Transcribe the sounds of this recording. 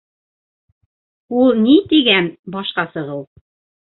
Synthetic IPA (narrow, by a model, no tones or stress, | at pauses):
ulˠnit̪iɡænbɒʃqɑsɤ̆ʁɤw